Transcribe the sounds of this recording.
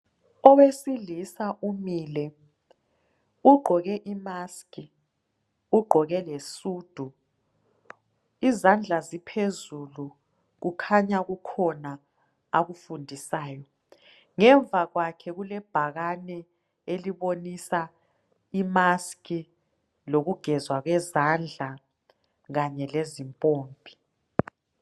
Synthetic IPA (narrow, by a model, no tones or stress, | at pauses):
ɔwesilisaʔumilɛ | uɡ͡ǃʱɔɣɛʔimaski | uɡ͡ǃʱɔɣɛlesuːd̥ʱu | izand͡ɮʱazipʰezulu | ɣukʰaɲaɣukʰɔna | aɣufundʱisaːjɔ | ŋɛɱvʱaɣwakʰɛɣulɛb̥ʱaɣanɛ | eliβonisa | imaskʼi | loɣuɡ̥ʱɛzwaɣwɛzand͡ɮʱa | ɣaɲɛlezimpʼoːmbʱi̥